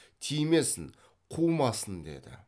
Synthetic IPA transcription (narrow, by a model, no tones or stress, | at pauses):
t̪ʰijme̞sɪŋ | qʰuwmɑsənd̪e̞̰d̪ɪ̰